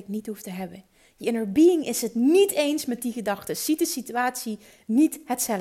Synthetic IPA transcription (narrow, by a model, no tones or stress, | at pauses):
knitɦuftəɦɛbən | jəɪnəɹbiɪŋʔɪsɦətnitejnsmɛt̚diɣədɑxtəsit̚dəsityaːtsi | nithətsɛl